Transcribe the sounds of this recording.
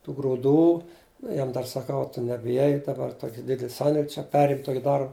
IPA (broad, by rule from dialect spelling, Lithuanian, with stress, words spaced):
tuː ɡrʊˈduː ˈjɛm dɐr sɐˈkɐʊ ɐ tʊ nʲɛbʲɪˈjɛɪ dɐˈbɐr ˈtoːkʲɪ ˈdʲɪdʲɛlˠ ˈsɐnʲdʲeːlʲ t͡ʃʲɛ ˈpʲæːrʲɪm ˈtoːkʲɪ ˈdɐr